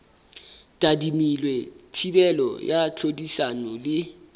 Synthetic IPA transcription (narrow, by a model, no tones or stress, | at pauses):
tʼadimilwetʰibɛlɔ̰jat͡ɬʰodisanɔlɪ